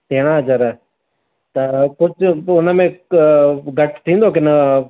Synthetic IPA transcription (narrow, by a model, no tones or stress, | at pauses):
t̪eːɽ̃aːd͡ʒɐɾ | t̪ɐkʊd͡ʒʊnəmẽ | ɡɐʈʰt̪ʰĩːnd̪ok̬ɪnə